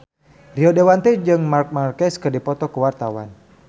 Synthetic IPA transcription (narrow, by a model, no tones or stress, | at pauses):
riɔdewant̪ɛd͡ʒɨŋmark̚markɛskɨrdipɔt̪ɔkuwart̪awa̰n